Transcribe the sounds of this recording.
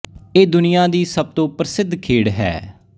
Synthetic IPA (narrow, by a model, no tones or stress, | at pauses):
eːd̪ʊnɪjãːd̪iːsəb̚t̪õːpɾəsɪd̪ʱkʰeːɽɦɛ̰ː